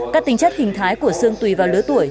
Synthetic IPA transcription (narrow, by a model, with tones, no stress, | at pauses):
kaː˦˥k̚t̪ï˧˩ŋ̟t͡ɕa˦˥k̚t͡ɕi˨˩ŋ̟t̪ʰaː˨˦jku˧˩əsɨ˧əŋt̪wi˨˩vaː˨˩wlɨ˨˦ət̪u˧˩əj